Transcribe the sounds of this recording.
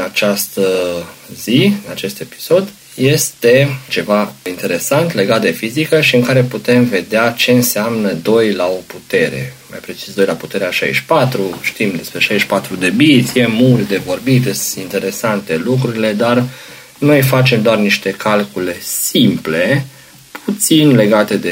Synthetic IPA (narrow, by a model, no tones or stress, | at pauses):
nat͡ʃast̪əziɨnat͡ʃe̞st̪e̞pi̥so̞d̪ | je̞st̪e̞t͡ʃe̞vaint̪e̞ɾe̞sant̪le̞ɡat̪̚d̪e̞fizikəʃiɨŋkaɾe̞put̪e̞mve̞d̪eat͡ʃe̞ɨnseamnəd̪o̞jlao̞put̪e̞ɾe̞̰ma̰jpɾe̞t͡ʃisd̪o̞jlaput̪e̞ɾeaʃa̰jʃpat̪ɾuʃt̪imd̪e̞spɾe̞ʃajʃpat̪ɾud̪e̞bit̪sjemːut̪ʲd̪e̞vo̞rbit̪esint̪e̞ɾe̞sant̪e̞lukɾuɾile̞d̪ar | nojfat͡ʃe̞md̪oarniʃt̪e̞kʰalkule̞simple̞ | pʰut̪sinle̞ɡat̪e̞d̪e